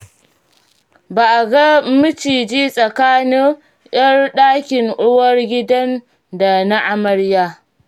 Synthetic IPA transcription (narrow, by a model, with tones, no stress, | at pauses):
baː˨ʔa˨ɡa˦mɪ˦t͡ʃiː˨d͡ʒiː˦sʼɐ˨kaː˦nɪ˦ŋ | ʔj̰ɐ˦rɗaː˦kʲɪ˨ŋʔʊ˦wɐ˦rɡʲɪ˦dɐ˦n | da˨na˦ʔa˨mɐ˦ɽjaː˦